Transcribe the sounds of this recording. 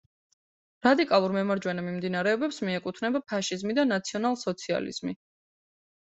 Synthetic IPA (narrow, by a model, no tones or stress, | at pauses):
ɾad̪ikʼalˠuɾmɛmaɾd͡ʒwɛnamimd̪inaɾɛɔbɛpsmiɛkʼut̪ʰvnɛbapʰaʃizmid̪anat̪sʰiɔnalˠsɔt̪sʰia̰lḭz̥mi